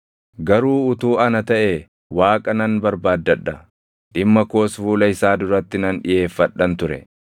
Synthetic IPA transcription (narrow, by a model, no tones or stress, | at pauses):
ɡɐɾuːʊt̪uːɐnɐt̪ɐʔe | waːkʼɐnɐnbɐɾbaːd̪ːɐᶑːɐ | ᶑɪmːɐkoːsfuːlɐɪsaːd̪ʊɾɐt̪ːɪnɐnᶑɪje̞ːfːɐᶑːɐnt̪ʊɾɛ̰